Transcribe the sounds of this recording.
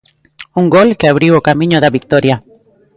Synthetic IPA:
uŋɡolkeaβɾiwokamĩɲoðaβik̚t̪oɾja

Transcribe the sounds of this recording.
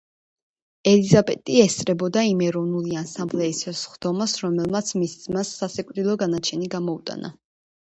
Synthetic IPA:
ɛlizabʼɛ̰t̪ʼiɛst̪sʼɾɛbɔd̪aimɛɾɔvnuliansamblɛissχd̪̥ɔmasɾɔmɛlˠmat̪sʰmiszmasːasɛkʼɾilˠɔɡanat͡ʃʰɛniɡamɔut̪ʼa̰na̰

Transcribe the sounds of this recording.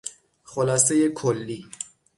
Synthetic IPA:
xolɑːsejekʰolːi

